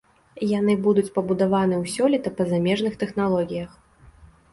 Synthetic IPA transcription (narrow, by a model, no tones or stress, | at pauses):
jan̪ɨbud̪ut͡sʲpɐbud̪avanɨwsʲɔlʲit̪ɐpɐzamʲɛʐnɨxt̪ɛxn̪alˠɔɣʲijɐx